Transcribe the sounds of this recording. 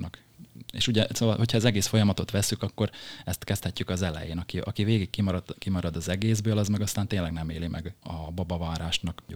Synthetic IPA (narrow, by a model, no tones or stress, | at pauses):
nk | ḛːʃuɟɛsoːvɒlho̞cʰhɒɛzɛɡeːsfo̞jɒmɒt̪o̞t̪ʋɛsːykɒkːo̞rɛst̪kɛst̪hɛcːykɒzɛlɛ̰jḛːnɒkiʔɒ̰kiveːɡikːimɒɾɒd̪kimɒɾɒd̪ɒzɛɡeːzbøːlɒzmɛɡɒst̪aːnt̪eːnlɛɡnɛmeːlimʔɛ̰ɡɒbɒbɒvaːɾaːʃnɒk